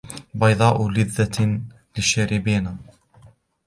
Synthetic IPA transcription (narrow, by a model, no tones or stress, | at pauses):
bɑjðˤɑːʔʊlɪðːa | lɪʃaɾɪbiːnaː